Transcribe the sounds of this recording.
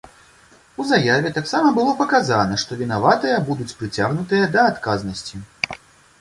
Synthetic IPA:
uzajavʲɛt̪aksamɐbɨlˠɔpɐkazanɐʂt̪ɔvʲinavat̪ɨjɐbud̪ut͡sʲpɾɨt͡sʲaɣnut̪ɨjɐd̪ɐːt̪kaznɐsʲt͡sʲi

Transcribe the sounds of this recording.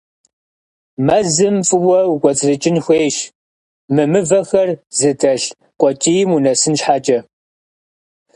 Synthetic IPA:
mɐzɨmfʼɨwɐwkʷʼɔt͡sʼrɨt͡ʃʼɪnxʷeːʃ | mɨmɨvɐxɐrzɨtʰʼɐɬ | qʷʼɔt͡ʃʼijmunɐsɨnɕħaːt͡ʃʼɐ

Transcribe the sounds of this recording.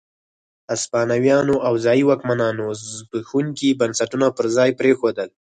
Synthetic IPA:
aspɑnawjɑnoʔawzɑjiwɑkmanɑnozbəxuŋkibansaʈunapəɾzɑjpɾexod̪əl

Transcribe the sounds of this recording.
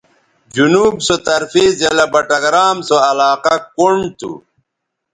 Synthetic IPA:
d͡ʑunuːbsot̪ɐɾfiːzjɐlɐbɐʈɐɡɾaːmsoɐlaːqɐkuɳt̪ṵ

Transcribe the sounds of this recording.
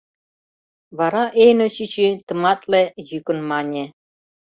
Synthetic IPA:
βɑɾɑʔejnoɕit͡ɕit̪ɤ̆mɑt̪lejykŏnmɑnʲe

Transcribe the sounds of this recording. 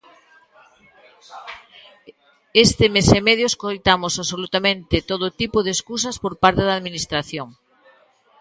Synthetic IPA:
est̪ɪmesemeðjoeskojt̪amosaβsolut̪amẽnt̪ɪt̪oðot̪ipoðeskus̬ɐspoɾpaɾt̪eðaðminist̪ɾaθjoŋ

